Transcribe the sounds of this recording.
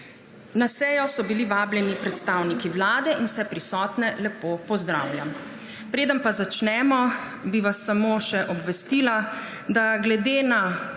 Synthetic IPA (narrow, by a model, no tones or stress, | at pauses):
nasɛːjɔsɔbiliʋaːbljɛnipɾɛt̪st̪awnikiwlaːd̪ɛinwsɛpɾisɔːt̪nɛlɛpopɔzd̪ɾa̰ːwljam | pɾeːd̪ənpazat͡ʃnɛːmɔ | biʋasːamoːʃɛʔɔbʋɛst̪iːla | d̪aɡlɛd̪eːna